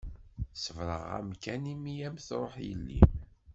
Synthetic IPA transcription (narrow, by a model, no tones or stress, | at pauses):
səvɾəʁæ̰mkænimijæmθɾˤoħjə̰lːḭm